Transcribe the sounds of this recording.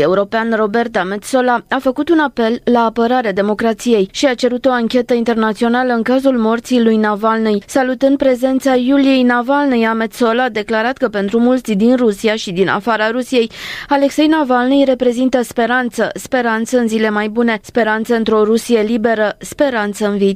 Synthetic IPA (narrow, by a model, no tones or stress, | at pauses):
e̞uɾo̞peanro̞be̞rt̪ame̞t̪so̞laafəkut̪unape̞lːaːpəɾaɾead̪e̞mo̞kɾat̪sije̞jʃiat͡ʃe̞ɾut̪o̞aŋkʲe̞t̪əint̪e̞rnat̪sio̞naləɨŋkazulmo̞rt̪silujnavalnejsalut̪ɨnd̪̚pɾe̞ze̞nt̪sajulije̞jnavalnejamet̪so̞laːd̪e̞klaɾat̪kəpe̞nt̪ɾumult̪sid̪inrusiaʃid̪inʔa̰faɾaɾusije̞jale̞kse̞jnavalnejre̞pɾe̞zint̪əspe̞ɾant̪səspe̞ɾant̪səɨnzile̞majbune̞spe̞ɾant̪səɨnt̪ɾo̞ɾusije̞libe̞ɾəspe̞ɾant̪səɨnviit̪